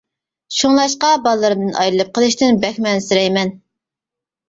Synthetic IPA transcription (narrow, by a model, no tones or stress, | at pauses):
ʃuŋlˠɑʃqɑbɑlˠːɨɾɨd̪ɨnʔɑ̰jlɨlˠɨp̚qʰəlˠɨʃt̪ɪnbɛxʲmɛnsyɾɛjmɛn